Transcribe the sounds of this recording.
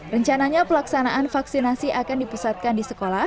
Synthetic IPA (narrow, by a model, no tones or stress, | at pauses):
rəɲt͡ʃanaɲapəlaksanaʔanfaksinasiʔakandipusat̪̚kandisəkolah